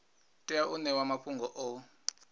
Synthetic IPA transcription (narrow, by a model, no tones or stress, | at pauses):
tʼijaʔunɛwamaɸʰuŋɡʱɔʔɔ